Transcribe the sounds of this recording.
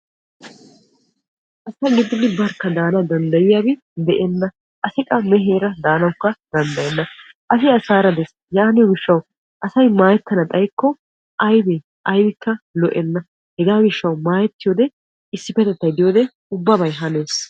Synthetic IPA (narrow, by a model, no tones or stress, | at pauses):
ʔɐsɐɡɪd̪ːɪd̪ɪbɐɾkːɐd̪aːnɐd̪ɐnd̪ɐjɪjabɪ | d̪ɛʔɛnːɐ | ʔɐsɪkʼːɐmɛɦeːɾɐd̪aːnɐwʊkːɐd̪ɐnd̪ɐjɛnːɐ | ʔɐsɪɐsaːɾɐd̪ɛs | jaːnɪjɔmɪʃːɐw | ʔɐsɐjmaːjɛt̪ːɐnɐt̪ʼɐjkːɔ | ʔɐjbe | ʔɐjbɪkːɐlɔʔɛnːɐ | hɛɡaːmɪʃːɐwmaːjɛt̪ːɪjoːd̪ɛ | ɪsːɪpɛt̪ɛt̪ːɐjd̪ɪjoːd̪ɛ | ʊbːɐbɐjɦɐne̞ːs